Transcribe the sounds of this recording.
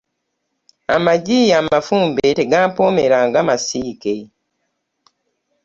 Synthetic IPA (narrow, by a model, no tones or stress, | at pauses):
a̰maɟijaːmafuːmbeteɡaːmpome̞ɾaːŋɡamasiːke